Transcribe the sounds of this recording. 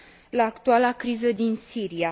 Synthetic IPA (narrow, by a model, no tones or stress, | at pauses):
laːkt̪ualakɾizəd̪insiɾia